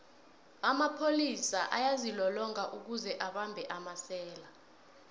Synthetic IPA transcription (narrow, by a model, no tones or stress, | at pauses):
amapʰolisaʔajazilɔlɔŋaʔuk̬uzɛʔaɓambʱɛʔamasɛːla